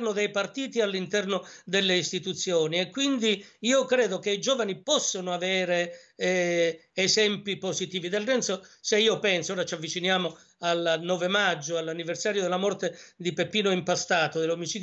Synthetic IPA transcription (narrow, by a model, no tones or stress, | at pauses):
rnod̪ejpart̪iːt̪ialːint̪ɛrnod̪elːeist̪it̪ut̪sːjɔːniɛkːwind̪iiːokɾɛːd̪ok̟eid͡ʒɔːvanipɔsːonoavɛːɾe | zɛmpipozit̪iːvid̪elrɛnsoseiːopɛnsooːɾat͡ʃavːit͡ʃinjaːmo | alnɔːvemad͡ʒːoalːanːiversaːɾjod̪elːamɔrt̪ed̪ipepiːnoimpast̪aːt̪od̪elomit͡ʃiːd̪